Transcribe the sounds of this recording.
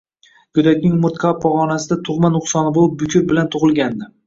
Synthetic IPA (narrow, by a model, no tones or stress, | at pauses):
ɡʊd̪akʲnɪŋmʊɾt̪kʰapʰɒʁɒnasɪd̪at̪ʰʊχmanʊχsɒnɪbolˠɪp̚bʊkʲʊɾbɪlant̪ʰʊʁɨlˠɡʲand̪ɪ